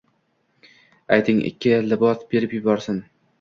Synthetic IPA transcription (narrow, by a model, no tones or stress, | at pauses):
ajt̪ʰɪŋɪ̰kʲːɪlɪbɒsbe̞ɾɪpjʊbɒɾsɪn